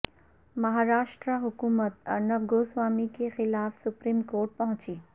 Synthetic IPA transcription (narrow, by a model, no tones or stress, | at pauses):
mɐɦaːɾaːʃʈɾaɦʊkuːmət̪ɐɾnɐʋɡoːsʋaːmikexɪlaːfsʊpɾiːmkoːɾʈ̚pɐɦʊ̃t͡ʃiː